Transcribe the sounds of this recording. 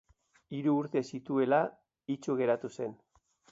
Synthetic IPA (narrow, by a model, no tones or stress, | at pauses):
iɾuːɾt̪e̞sit̪ue̞la | it͡ʃuɣe̞ɾat̪use̞n